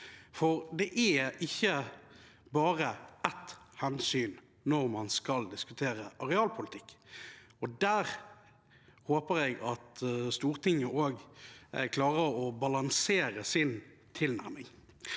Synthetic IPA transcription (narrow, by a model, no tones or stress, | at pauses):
fɔʁd̪ɛʔæɪçːə | bɑːʁəɛt̪hɛnsyːn | nɔʁmɑnskɑld̪ɪskʉt̪ʰeːʁəʔɑʁɛɑːlpʰʊlɪt̪ʰɪkː | ɔd̪æːʁ | hoːpəʁɛɡɑt̪st̪uːʁt̪ʰɪŋːəʔoːɡ | kʰlɑːʁəʁɔbɑlɑŋseːʁəsɪn | t̪ʰɪlnæ̰ʁmɪŋ